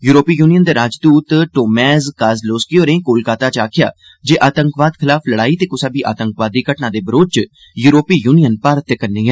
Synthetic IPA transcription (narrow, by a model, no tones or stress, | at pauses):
juːɾoːpiːjuːnijənd̪eːɾaːd͡ʒd̪uːt̪ʈoːmɛːzkaːzloːskioːɾẽːkoːlkaːt̪aːt͡ʃaːkʰɪja̰ː | d͡ʒeːʔaːt̪əŋkʋaːd̪kʰɪlaːfləɽaːiːt̪eːkʊsaːbiːʔa̰ːt̪əŋkʋaːd̪iːkəʈnãːd̪eːbəɾoːt͡ʃ | juːɾoːpiːjuːnijənpaːɾət̪ːekənːiːɦɛː